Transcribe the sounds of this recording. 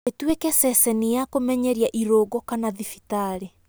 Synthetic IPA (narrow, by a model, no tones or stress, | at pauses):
etwekɛsɛsɛnijakomɛɲɛɾiaʔiɾoɡɔkanaðifitaɾe